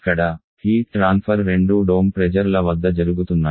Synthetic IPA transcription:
kːɐɽɐ | hiːʈɾaːnspʰɐɾːeɳɖuɖoːmpɾɛd͡ʒɐɾlɐʋɐd̪ːɐd͡ʒɐɾuɡut̪unːaː

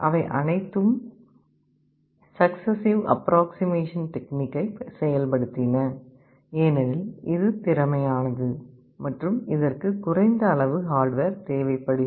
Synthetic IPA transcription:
ʔɐʋɐɪʔɐ̰nɐɪt̪ːɯm | sɐksɐsɪʋɐ̰pːɾaːksɪmeːʂɐnt̪ɛknikːɐɪsɛjɐlpɐɽɯt̪ːɪnɐ | eːnɐlɪlɪðɯt̪ɪɾɐmɐjaːnɐðɯ | mɐʈrɯmɪðɐrkɯkʊrɐɪnd̪ɐːɭɐʋɯɦaːɾɖʋeːɾt̪eːʋɐɪpːɐɽi

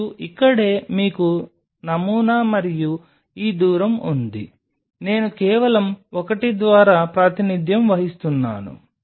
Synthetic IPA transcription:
ʔikːɐɽe̞ːmiːku | nɐmuːnaːmɐɾiju | iːd̪uːɾɐmund̪i | ne̞ːnukɛːʋɐlɐmɔkɐʈid̪ʋaːɾaːpɾaːt̪inid̪ʱjɐmʋɐɦist̪unːa̰ːnṵ

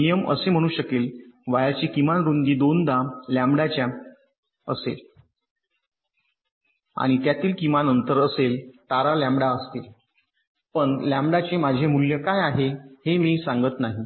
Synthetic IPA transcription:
nijəmə̰sem̤əɽ̃uːɕəkelʋajat͡ɕiːkimanɾunɡ̪iːd̪ond̪aljamɽat͡ɕja | ə̰sel | a̰ɽ̃it̪jat̪iːlkimanənt̪əɾəselt̪aɾaljãmɽaəst̪e | pəɳlãmbɽat͡ɕemad͡ʑʱemuljəkajaɦehemiːsaŋɡət̪naɦi

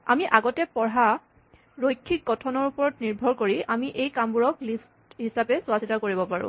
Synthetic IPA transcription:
a̰miʔaɡɔtɛpɔɹɦa | ɹojkʰːik̚ɡɔtʰɔnɔɹupɔɹɔtniɹbʱɔɹkoɹiʔamiʔejkambuɹɔklistɦisapɛsʊasitakoɹibɔpaɹʊ̰̃

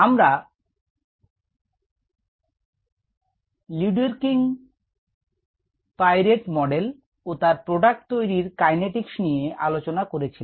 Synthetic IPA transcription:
amɾa | liɖeɾkiŋ | pajɾeʈmɔɖel | ot̪aɾpɾoɖak̚ʈt̪ojɾiɾkajneʈiksnijea̰lot͡ɕonakoɾet͡ɕʰil

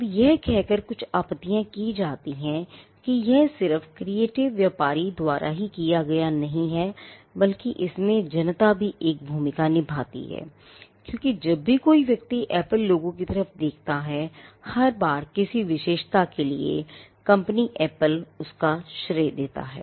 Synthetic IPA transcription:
ɐbjɛɦkɛɦkəɾkʊt͡ʃʰaːpət̪ijãkid͡ʒaːt̪iɦɛ̃kijɛɦsɪɾfkɾieːʈɪʋːjaːpaːɾid̪waːɾʔa̰ɦikijaɡɐjanɐɦĩɦɛbɐlkiʔɪsmẽd͡ʒɐnt̪abʱiʔeːk̚bʱuːmɪkanɪbʱaːt̪ḭɦɛ̰ː | kjõːkid͡ʒɐbːikoːiʋjɐk̚t̪iʔɛːpəlːoːɡõkit̪ɐɾəfd̪eːkʰt̪aɦɛhɐɾbaːɾkɪsiʋɪʃeːʃt̪akelḭḛ | kɐ̃mpəniʔɛːpəlʊskaʃɾeːd̪eːt̪a̰ɦɛ̰ː

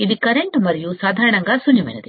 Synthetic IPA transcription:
id̪ikɐɾeɳʈmɐɾijusaːd̪ʱaːɾɐɳɐŋɡasunimɛ̰nɐd̪i

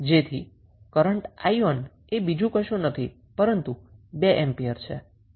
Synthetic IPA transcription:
d͡ʒet̪ʰi | kəɾəɳʈaion | ebid͡ʒũkəʃũnət̪ʰi | pəɾənt̪ubeʔɛmpiəɾt͡ʃʰḛ

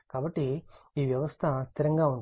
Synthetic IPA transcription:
kaːbɐʈːiiːʋjɐʋɐst̪ʰɐst̪iɾɐŋɡaːuɳɖ

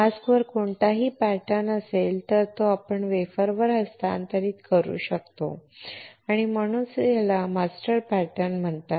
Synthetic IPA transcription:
ad͡zkʋəɾkoɳt̪aɦiːpæʈənəselt̪əɾt̪oapəɳʋefəɾʋəɾəst̪a̰nt̪əɾiːt̪kəɾṵːɕəkt̪o̰ | aɽ̃im̤əɽ̃uːt͡salamasʈəɾpæʈənm̤əɳt̪a

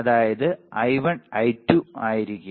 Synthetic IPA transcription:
ɐðaːjɐðɨɐjʋɐɳɐjtːuaːjiɾikʲːu

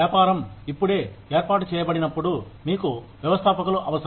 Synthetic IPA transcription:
jaːpaːɾɐmipːuɽe̞ːeːɾpaːʈ̬ut͡ʃɛːjɐbɐɽinɐpːuɽumiːku | ʋjɐʋɐst̪ʰaːpɐkuluʔɐʋɐs

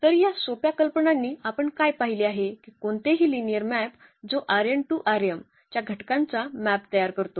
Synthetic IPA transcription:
t̪əɾjasopjakəlpəɳanːiːapəɳkajpaɦiliaɦekiːkoɳt̪eɦiːlinijəɾmæp | d͡zoʔaɾənʈuʔaɾjəm | t͡ɕ̪jaɡʱəʈkãnt͡samæpt̪əjaɾkəɾt̪o

